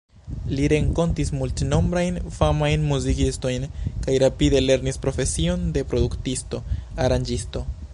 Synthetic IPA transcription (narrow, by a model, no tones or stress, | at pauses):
liɾe̞ŋko̞ntismultno̞mbɾajnfamajnmuzikisto̞jnkajɾapide̞le̞ɾnispɾo̞fe̞sio̞nde̞pɾo̞duktisto̞aɾand͡ʒisto̞